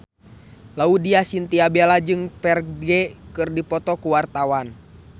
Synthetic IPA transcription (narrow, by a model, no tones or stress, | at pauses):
laudiasint̪iabɛlad͡ʒɨŋpɛrɡɛkɨrdipɔt̪ɔkuwart̪awan